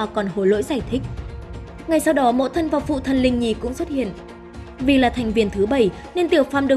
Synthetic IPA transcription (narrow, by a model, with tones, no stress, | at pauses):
kɔ˨˩nho˨˦jlo̰˧˥jzaː˧˩jt̪ʰï˦˥k̟̚ | ŋa˨˩jsa˧wɗɔ˨˦mo̰˧˥t̪ʰə˧nvaː˨˩wfṵ˧˨t̪ʰə˨˩nlï˧ŋ̟ɲi˨˩kʊ̰˧˥ŋ͡mswə˦˥t̚hḭ˧˨ən | vi˨˩laː˨˩t̪ʰa˨˩jŋ̟vi˨˩ənt̪ʰɨ˨˦ɓə˧˩j | ne˧nt̪i˧˩əwfaː˧˨˩mɗɨ˨˩ə